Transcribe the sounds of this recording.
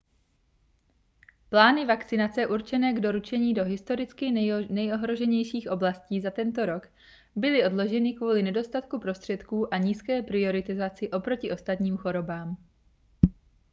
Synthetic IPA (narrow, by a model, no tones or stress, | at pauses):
plaːnɪvakt͡sɪnat͡sɛʔuɾt͡ʃɛnɛːɡdo̞ɾut͡ʃɛɲiːdo̞ɦɪst̪o̞ɾɪt͡skɪnɛjo̞ɦɾo̞ʒɛɲɛjʃiːxʔo̞blasciːzat̪ɛnt̪o̞ɾo̞k | bɪlɪʔo̞dlo̞ʒɛnɪkvuːlɪnɛdo̞st̪at̪kupɾo̞st̪r̝̥ɛt̪kuːʔaɲiːskɛːpɾɪo̞ɾɪt̪ɪzat͡sɪʔo̞pɾo̞cɪʔo̞st̪at̪ɲiːmxo̞ɾo̞baːm